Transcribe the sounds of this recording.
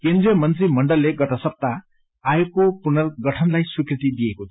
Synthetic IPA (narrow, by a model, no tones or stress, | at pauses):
kend̪ɾijʌmʌnt̪ɾimʌɳɖʌlːeɡʌʈʌsʌp̚t̪a | ajokːopunʌrɡʌʈʰʌnlajswikɾit̪id̪ijeko